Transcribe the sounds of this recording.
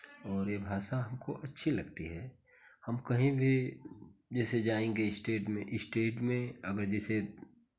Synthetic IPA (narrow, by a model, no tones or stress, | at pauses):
ɔːɾjebʱaːʃaɦɐmkoʔɐtːʃʰilɐɡt̪iɦɛː | hɐmkɐɦĩbʱi | d͡ʒɛːsed͡ʒaːẽːŋɡeɪsʈeːʈmẽʔɪsʈeːʈmẽɐɡəɾd͡ʒɛːse